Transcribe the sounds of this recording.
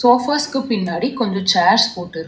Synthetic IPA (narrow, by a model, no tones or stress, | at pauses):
soːfaːskːɯpɪnːaːɽikɔɲd͡ʒõt͡ʃaːɾspoːʈːɪɾɯ